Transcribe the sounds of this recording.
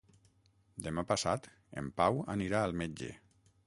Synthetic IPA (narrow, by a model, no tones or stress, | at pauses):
d̪emapasat̪ | ḛmpawəniɾaːlˠmed͡ʒḛ